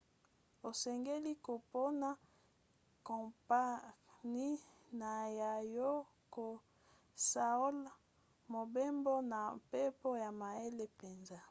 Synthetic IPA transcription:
o˨sɛ˨ŋɡe˦li˦ko˨po˦na˦ | kɔ˨pa˦ni˦na˨ja˨jo˦ | ko˨ | sa˨o˦l | mo˨be˦mbo˦na˨mpe˦po˦ja˨ma˨e˦le˦pe˨nza˦

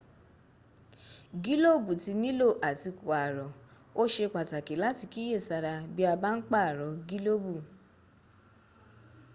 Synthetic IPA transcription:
ɡi˦lo˦˨bu˨ti˧nĩ˦lo˦˨ʔa˨ti˧ku˨a˨ɾɔ˨ | o˦ʃe˧k͡pa˨ta˨ki˨˦la˦ti˧ki˦e˦˨sa˧ɾa˧bi˦a˧ba˦n̩˦k͡pa˦˨ɾɔ˨ɡi˦lo˦bu˦˨

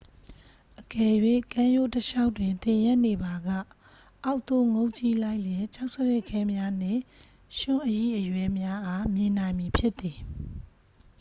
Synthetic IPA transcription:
ʔəkɛ˨jwḛ̃˦˨kã˦jo˦˨təʃa˦ʊʔtwɪ̃˨nt̪ɪ̃˨jɛ˦ʔne˨ba˨ɡa̰˦˨ | ʔa˦ʊʔt̪o˦˨ŋo˦ʊʔt͡ɕi˦la˦ɪʔljɛ̃˨t͡ɕa˦ʊʔsəɹɛ˦˨kʰɛ˦mja˦n̥ɪ̰̃˦˨ | ʃʊ̃˦˨ʔəjḭ˦˨ʔəjwɛ˦mja˦ʔa˦mjɪ̃˨nã˨ɪ̃mji˨pʰjɪ˦ʔt̪i˨

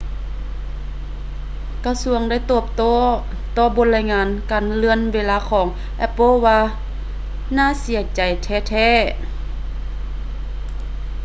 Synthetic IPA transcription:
ka˧su˧əŋda˥˨jt̪oː˧˩p̚t̪oː˧˥˩ | t̪ɔː˧bo˧˦t̚laː˧˨jŋaː˧˥nkaː˨nlɯ˧ənweː˧˨laː˧kʰɔː˨˩˦ŋ | ʔɛ˧˥pːɤ˧˥˨waː˧ | naː˥˨si˨˦ət͡ɕa˨˩jt̪ʰɛː˧˥˨t̪ʰɛː˧˥˨

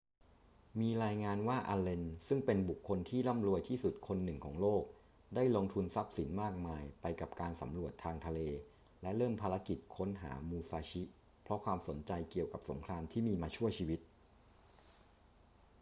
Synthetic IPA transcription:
miː˧ɾaː˧jŋaː˧nwaː˥˩ʔa˧le˧nsɯ˥˩ŋpe˧nbu˨˩kʰːo˧nt̪ʰiː˥˩la˥˩mɾu˧əjt̪ʰiː˥˩su˨˩t̪̚kʰo˧nːɯ˨˩ŋkʰɔː˩˦ŋloː˥˩k̚ | daː˥˩jloː˧ŋt̪ʰu˧nsa˦˥p̚si˩˦nmaː˥˩k̚maː˧jpa˧jka˨˩p̚kaː˧nsa̰˩˦mɾu˨˩ət̪ʰːaː˧ŋt̪ʰa˧leː˧ | lɛ˦˥ɾɤː˥˩mpʰaː˧ɾa˦˥ki˨˩t̪̚kʰo˦˥nɦa̰ː˩˦muː˧saː˧t͡ɕʰi˦˥ | pʰɾɔ˦˥kʰwaː˧mso˩˦nt͡ɕa˧jki˨˩əwka˨˩p̚so˩˦mkʰɾaː˧mt̪ʰiː˥˩miː˧maː˧t͡ɕʰu˥˩ət͡ɕʰiː˧wi˦˥t̪̚

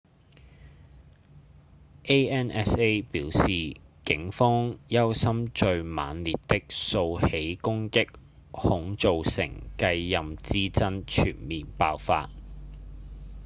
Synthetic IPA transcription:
ʔe˥jɛː˥nɛ˥se˥jpiː˨˥wsiː˨kɪ˨˥ŋfɔː˥ŋjɐ˥wsɐ˥mt͡ʃɵ˧ɥma̰ː˨˥nli˨t̚t̪ɪ˥k̚so˧whe˨˥jkʊ˥ŋkɪ˥k̚ | hʊ˨˥ŋt͡so˨wsɪ̰˨˩ŋkɐ˧jːɐ˨mt͡siː˥t͡sɐ˥nt͡ʃʰy̰ː˨˩nmiː˨npaː˧wfa̰ː˧t̚

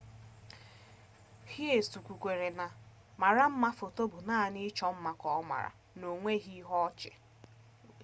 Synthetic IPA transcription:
hi˦e˨su˨kʷu˨kʷe˨ɾe˨na˨ | ma˨ɾa˦m̩˦ma˦fo˨to˦bʊ˨naː˦˨nɪ˦t͡ʃɔ˦m̩˦ma˨kɔ˨˦ma̰˨ɾa̰˨ | no˨ŋʷe˦ɣi˦ɦɔ˦t͡ʃɪ˨

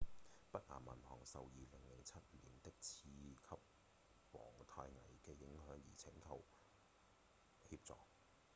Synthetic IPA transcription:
pɐ˥t̚ŋaː˨˩mɐ̰˨˩nhɔ̰ː˨˩ŋsɐ˨wjiː˨lɪ˨˩ŋlɪ˨˩ŋt͡sʰɐ˥t̚mliː˨˩nt̪ɪ˥k̚t͡sʰiː˧kʰɐ˥p̚ | wɔː˨˩ŋt̪ʰaː˧jŋɐ˨˩jkɛː˧jɪ˨˥ŋɦœː˨˥ŋjḭː˨˩t͡sʰɪ˨˥ŋkʰɐ˨˧w | hiː˧p̚t͡sɔ̰ː˨k̚

